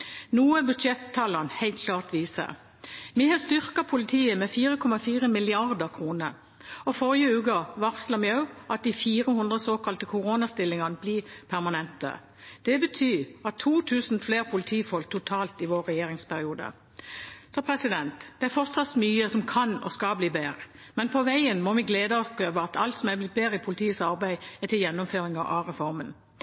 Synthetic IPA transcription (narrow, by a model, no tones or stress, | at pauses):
nuːəbʉd̪ɛt̪ʰːɑlɑnhɛɪlt̪̚kʰlɑːʁt̪ʋiːsə̰ | mihɑst̪ʏʁkɑpʰʊlɪt̪ʰiːəmɛfiːɾəkʰɔmɑfiːʁəmɪlɪɑʁd̪əʁkʰʁuːnəɾ | ɔfɔʁɪəʉːkəʋɑʁslɑmjɑʉʔɑt̪̚d̪ɪfiːɾəhʉnd̪ʁəsoːkɑlt̪əkʰʊʁoːnɑst̪ɪlːɪŋɑnəbliːpʰæʁmɑnɛnt̪ə̰ | d̪̥ɛbət̪ʰyːɑt̪ʰːuːt̪ʰʉːsn̩fleːʁpʰʊlɪt̪ʰiːfɔlk̚t̪ʰʊt̪ʰɑːlt̪ɪʋoːɾːɛjeːɾɪŋspæɾɪuːd̪ə̰ | sɔpʰɾɛsɪd̪ɛnt̪d̪̥ɛæɾfɔʁt̪sɑt̪smyːəsɔmkʰɑnɔ̰skɑbliːbeːɾə | mɛnpʰɔʋæɪənmɔʋɪɡleːd̪əɔp̪øːʋəɑt̪ʰɑlt̪sɔmæblɪt̪̚beːʁəɪpʰʊlɪt̪ʰiːəsɑɾbæɪɛt̪ɪljɛnːɔmføːɾɪŋɑʔɑ̰ʁɛfɔɾmən